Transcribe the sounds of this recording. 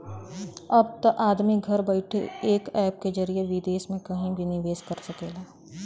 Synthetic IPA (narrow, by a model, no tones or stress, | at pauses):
ɐb̚t̪ɐʔaːd̪miɡʱɐɾbɐɪʈʰḛeːkɛːp̚ked͡ʒɐɾijeʋɪd̪eːsmẽkɐɦĩbʱinɪʋeːskɐɾsɐkeːɡaː